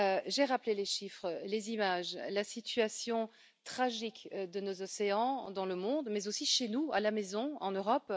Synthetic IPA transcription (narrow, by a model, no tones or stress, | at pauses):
øʒeʁapleleʃifχəlezimaʒlasit̪ɥasjɔ̃ | t̪χaʒikd̪ənozɔseɑ̃d̪ɑ̃ləmɔ̃d̪mɛzosiʃenualamɛzɔ̃ɑ̃nøʁɔp